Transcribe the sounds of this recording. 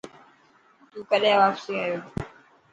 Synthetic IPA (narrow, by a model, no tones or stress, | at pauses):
t̪ũːkəɗẽʋaːfseajoː